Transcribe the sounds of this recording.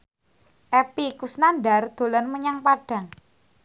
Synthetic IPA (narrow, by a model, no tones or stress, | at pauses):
ʔɛpikusnanɖard̪̥o̤lanməɲaŋpaɖ̥ä̤ŋ